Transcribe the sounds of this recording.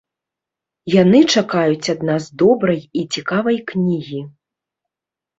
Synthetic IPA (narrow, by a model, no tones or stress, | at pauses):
janɨt͡ʂakajut͡sʲad̪nazd̪ɔbɾɐjit͡sʲikavɐjknʲiɣʲi